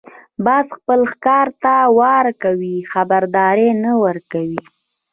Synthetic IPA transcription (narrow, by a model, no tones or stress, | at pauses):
bɑzxpəlxkɑɾt̪awɑɾkawixabaɾd̪ɑɾenawəɾkawi